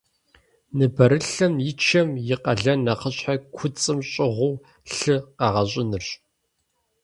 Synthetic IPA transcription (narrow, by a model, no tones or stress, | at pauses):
nɨbɐɾɨɬɐmjɪt͡ʃʰɐmjɪqɐɮɐnɐqəɕħakʷʰʊt͡sʼɨmɕʼɪʁʷʊː | ɬɨqɑʁɐɕʼɪnɨrɕʼ